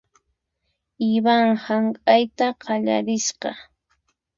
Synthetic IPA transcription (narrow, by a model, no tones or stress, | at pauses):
ɪβaŋhaŋkʼajt̪aqʰɑʎa̰ɾɪʃqɑ̰